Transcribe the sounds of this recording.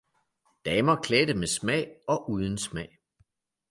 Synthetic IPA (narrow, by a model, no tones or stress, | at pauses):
d̥ɛːmɐkʰledəmesmɛ̰ɪ̰ɒ̽ʔuːð̞ˠən̩smɛɪ̰